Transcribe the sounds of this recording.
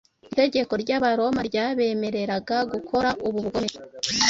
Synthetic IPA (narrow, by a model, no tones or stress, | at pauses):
ite̞ɟe̞ko̞ɾɟaβaɾo̞maɾɟaːβe̞me̞ɾe̞ɾaɡaɡukʰo̞ɾaʔuβuβɡome